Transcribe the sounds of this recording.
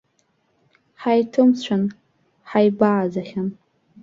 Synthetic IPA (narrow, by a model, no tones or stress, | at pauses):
ħajtʰɨmt͡ɕʷʰan | ħajbaʕːzaχʲan